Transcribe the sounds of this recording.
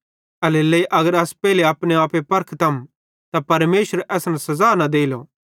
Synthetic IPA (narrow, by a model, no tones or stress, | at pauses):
ɐleːlːɐiʔɐɡəɾɐspɛːɦileaːpneaːpepɐɾkʰt̪ɐm | t̪apɐɾmeːʃəɾʔɛːsnasɐzaːnad̪eːlo̰